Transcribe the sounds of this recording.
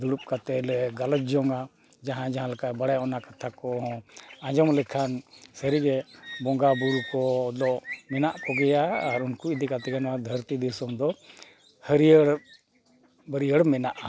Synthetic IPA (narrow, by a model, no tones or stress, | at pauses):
d̪uɽup̚kat̪ɛlɛɡalət̪̚d͡ʒɔŋa | d͡ʒaɦãd͡ʒaɦãlakabaɽajɔnakat̪ʰakɔɦɔ̃ãd͡ʒɔmlɛkʰansəɾiɡɛbɔŋɡabuɾukɔd̪ɔʔmɛnaʔkɔɡɛjaːɾunkuid̪ikat̪ɛɡɛnɔwad̪ʱəɾt̪id̪isɔmd̪ɔ | həɾiəɽ | bəɾijəɽmɛnaʔa